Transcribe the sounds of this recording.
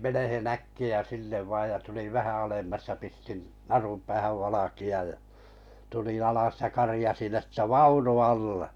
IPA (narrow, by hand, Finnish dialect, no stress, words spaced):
menehen ækːiæ sinːeʋ ʋɑˑj jɑ tuliʋ̆ ʋæhæ ɑlemːɑs jɑ pistin nɑrum pæːhæʋ ʋɑlɑkiɑj jɑ̥ tulĩˑ ɑlɑs jɑ kɑrĭjɑsin etːæ̟ ʋɑunu ɑlːe